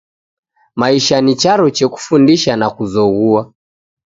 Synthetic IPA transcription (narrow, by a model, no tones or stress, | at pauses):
maiʃanit͡ʃaɾɔt͡ʃɛku̥fundiʃanakuzɔɣua